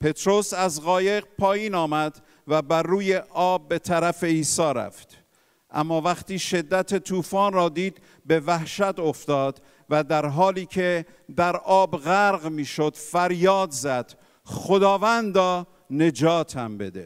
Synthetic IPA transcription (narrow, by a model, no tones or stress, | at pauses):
pʰe̞t̪ɾosæzɣɒːje̞ɣpʰɒːjiːnɒːmæd̪ | væbæɾːuːjeʔɒːbːe̞t̪ʰæɾæfe̞iːsɒːɾæ̰ft̪ | ʔæ̰mːɒːvæχt̪iːʃe̞d̪ːæt̪ʰet̪ʰuːfɒːnrɒːd̪iːd̪ | be̞væhʃæt̪o̞ft̪ɒːd̪̥ | væd̪æɾɦɒːliːkʰe | d̪æɾʔɒːbɣæɾɣmiːʃo̞d̪̥fæɾjɒːd̪zæd̪̥ | χod̪ɒːvænd̪ɒː | ne̞d͡ʒɒːt̪ʰæ̰mbe̞̰d̪e